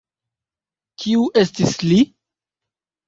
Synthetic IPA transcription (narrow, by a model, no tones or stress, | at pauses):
kʰiuʔe̞stisli